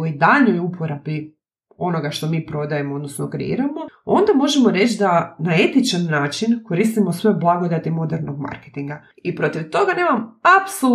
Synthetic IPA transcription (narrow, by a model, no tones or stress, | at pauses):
uid̪aʎno̞jupʰo̞ɾabi | o̞no̞ɡaʃt̪o̞miːpɾo̞d̪aje̞mood̪nosnokɾḛḭːɾamo̞o̞nd̪amo̞ʒe̞moɾe̞t͡ʃd̪anae̞t̪it͡ʃannaːt͡ʃinkoɾist̪imosʋo̞jblˠaɡod̪at̪imo̞d̪eɾno̞ɡma̰ɾket̪iŋɡa | ipɾot̪iʋt̪o̞ɡane̞ːmamapso